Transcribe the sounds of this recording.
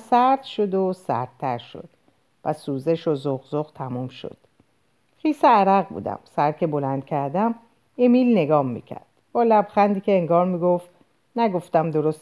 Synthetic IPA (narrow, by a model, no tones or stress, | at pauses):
sæɾd̪̥ʃo̞d̪osæ̰ɾd̪̚t̪ʰæɾʃo̞̰d̪̥ | pæsuːze̞ʃozoɣzoɣt̪ʰæmuːmʃo̰d̪̥ | χiːseæɾæɣbṵːd̪æ̰msæɾcʰe̞bo̞lænd̪̥̚cʰæɾd̪æm | emilne̞ɡɒːmːḭːcʰæ̰ɾd̪̥b̥ɒːlæbxænd̪iːcʰeeŋɡɒːɾmiːɡoft̪ | næɡo̞ft̪æmd̪o̞ɾos